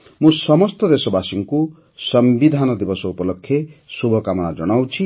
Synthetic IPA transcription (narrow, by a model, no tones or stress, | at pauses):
mũsɔmɔst̪ɔd̪esɔbasiŋku | sʌmbid̪ʱanɔd̪ibɔsɔupɔlɔkʰːjesubʱɔkamɔnad͡ʒɔɽ̃awt͡ʃʰi